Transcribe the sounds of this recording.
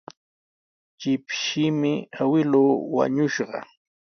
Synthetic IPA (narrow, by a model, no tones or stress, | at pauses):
t͡ʃɪpʃiːmɪawɪluːwa̰ɲʊʃɢɑ̰